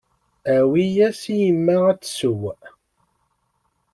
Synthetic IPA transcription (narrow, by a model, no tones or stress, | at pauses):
æwijæsijəmːææt͡sːsʊw